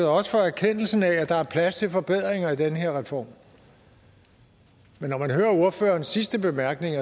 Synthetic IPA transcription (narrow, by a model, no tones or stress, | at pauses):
əð̩ˠɒ̽sə̥fɒ̽æɐkʰen̰l̩sn̩ææd̥ɑ̈æɐpʰlæst͡sʰe̝lfɒ̽b̥e̝ð̞̰ˠʁeŋɐid̥enəɦe̝ɐ̰ʁɛfɒ̰ːm | menːɒmænɦøːɐo̝ɐfø̰ːɐːnsisd̥əb̥e̝mæɐɡ̥ne̝ŋɐ